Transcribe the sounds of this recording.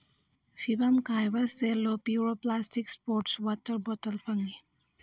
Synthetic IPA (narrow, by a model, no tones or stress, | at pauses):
fʰibamkajbaselopjuɾoplastikspoɾʈswɔtəɾbɔtəlpʰɐŋɡi